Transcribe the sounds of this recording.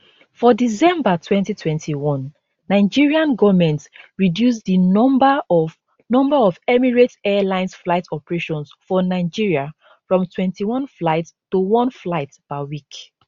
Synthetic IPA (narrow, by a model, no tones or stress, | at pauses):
fɔdizɛ̃mbatʰwɛ̃ntitʰwɛ̃ntʰiwɔ̃nː | aɪd͡ʒiɹiãnɡɔvmɛ̃ntɹidjus̬diɔmba | nɔ̃mbaɔvɛmiɹetɛlãɪ̃nsflaɪtʰɔpəɹeʃɔ̃nsfɔnaɪd͡ʒiɹia | fɹɔ̃mtʰwɛ̃ntʰiwɔ̃nflaɪttːuwɔ̃nflaɪtb̥awik